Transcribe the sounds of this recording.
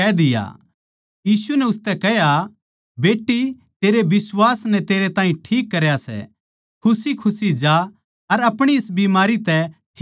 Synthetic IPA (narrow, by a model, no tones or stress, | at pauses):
ɛd̪ɪja̰ | jiːsunɛʊst̪ɛkɛɦja | beːʈːi | t̪eːɾebɪswaːsnɛt̪eːɾet̪ãːĩʈʰiːkːɐɾjasɛ̰ | kʰʊsikʰʊsid͡ʒa | ɐɾɐpɽ̃iɪsbimaːɾit̪ɛʈʰː